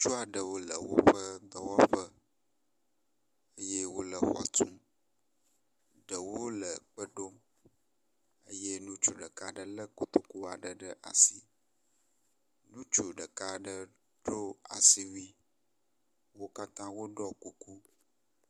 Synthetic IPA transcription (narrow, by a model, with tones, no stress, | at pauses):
t͡ʃu˦a˨ɖə˨wo˦lə˨wo̰˦ɸə˦ɡə˨wɔ˦ɸə˦ | ə˦je˦wo˦lə˨xɔ̰˨tũ˦ | ɖə˨wo˦lə˨k͡pə˦ɖo˦ | ə˦je˦nũ˦t͡ʃo˨ɖə˨ka˨ɖə˦lə˦ko˦t̪o˦ku˦a˨ɖə˨ɖə˦ʔa̰˨si˨ | nũ˦t͡ʃo˨ɖə˨ka˨ɖə˦ | ɖo˦a̰˨si˨wi˦ | wo˦ka˦t̪ã˦wo˦ɖɔ˦ku˨ku˦